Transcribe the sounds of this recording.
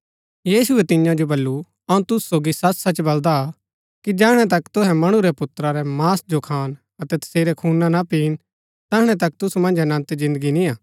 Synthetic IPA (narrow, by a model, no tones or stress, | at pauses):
jiːsʊɛt̪ɪ̃jãd͡ʒobɐlːu | ɐũt̪ʊsu̥soːɡisɐt͡ʃsat͡ʃbɐld̪a | kid͡ʒɛːɽ̃ɛt̪ɐkt̪ʊɦɛ̃mɐɽ̃uɾɛpʊt̪ɾaɾɛmaːsd͡ʒokʰaːn | ɐt̪ɛt̪ɐ̥seːɾɛkʰuːnanapiːn | t̪ɐɽ̃ɛt̪ɐkt̪ʊsumɐ̃nd͡ʒɐnɐ̃nt̪zɪ̃nd̪əɡinĩaː